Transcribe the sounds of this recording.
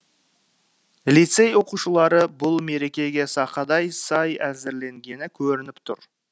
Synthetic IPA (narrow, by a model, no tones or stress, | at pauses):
lit̪se̞jwo̞quʃəlˠɑɾəbʊlˠme̞ɾe̞kʲe̞ɡʲe̞sɑqɑd̪ɑjsɑjæzɪɾle̞ŋɡʲe̞nɪkʲʰɵɾɪnɪpt̪ʰʊ̰ɾ